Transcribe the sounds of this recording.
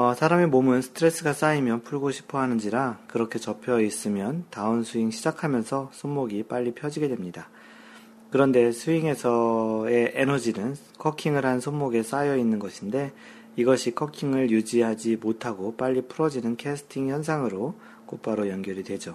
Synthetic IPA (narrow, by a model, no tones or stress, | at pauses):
ʌsʰaɾamimomunsʰɯ̥tʰɯɾe̞s͈ɯɡas͈aimjʌnpʰuɭɡoɕʰi̥pʰʌɦanɯnd͡ʑiɾakɯɾʌkʰe̞t͡ɕʌpʰjʌis͈ɯmjʌntaɯnsʰuiŋɕʰid͡ʑakʰamjʌnsʰʌsʰonmoɡip͈aʎːipʰjʌd͡ʑiɡe̞dwe̞mɲida | kɯɾʌnde̞sʰuiŋe̞sʰʌe̞ʔenʌd͡ʑinɯn | kʰʌkʰiŋɯɾɦansʰonmoɡe̞s͈ajʌinːɯnɡʌɕʰinde̞ | iɡʌɕʰikʰʌkʰiŋɯɭjud͡ʑiɦad͡ʑimotʰaɡop͈aʎːipʰuɾʌd͡ʑinɯnkʰesʰɯ̥tʰiŋçjʌns̬ʰaŋɯɾo | kop͈aɾojʌnɡjʌɾidwe̞d͡ʑo